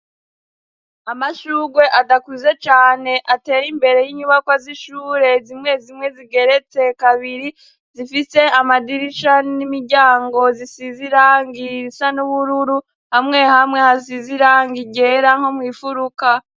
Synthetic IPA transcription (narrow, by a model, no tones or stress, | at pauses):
amaʃuɡwe̞ʔadakuze̞t͡ʃaːne̞ʔate̞ːɾimbe̞ɾe̞jiɲuβakwaziʃuːɾe̞zimŋe̞zimŋe̞ziɡe̞ɾe̞t͡se̞kaβiɾi | zifise̞amadiɾiʃanimiɾɟaːŋɡo̞zisiziɾaːŋɡisanuβuɾuɾu | hamŋe̞hamŋe̞hasiziɾaːŋɡiɟe̞ːɾaŋ̥homwiːfuɾuka